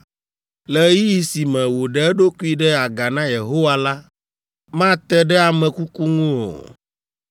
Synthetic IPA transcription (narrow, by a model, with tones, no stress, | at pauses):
lɛ˨˦ji˦ji˨si˨mɛ̃˨wo˨ɖɛ˨ɛ˦ɖo˦ku˦i˦ɖɛ˦a˨ɡa˨nã˦je˨ɦo˦wa˨la˦ | mã˦t̪ɛ˦ɖɛ˦a˨mɛ̃˨ku˦ku˦ŋũ˦o̰˨